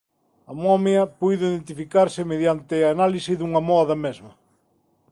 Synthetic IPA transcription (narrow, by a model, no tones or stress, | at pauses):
ɐmɔmeɐpujðʊiðent̪ifikaɾsɪmeðjant̪ɪaːnalisɪðuŋɐmɔðɐmezmɐ